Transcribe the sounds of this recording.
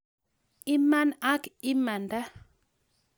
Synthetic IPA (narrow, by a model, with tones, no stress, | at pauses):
i˦ma˦na˦ki˦ma˨nda˦